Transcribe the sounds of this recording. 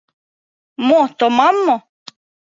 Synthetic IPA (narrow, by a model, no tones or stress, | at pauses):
mot̪omamːo